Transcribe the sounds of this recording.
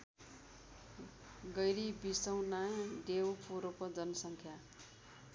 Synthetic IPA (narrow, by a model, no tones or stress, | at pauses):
ɡʌjɾibisʌwnadewpʰoɾopʌd͡zʌnʌsʌŋkʰja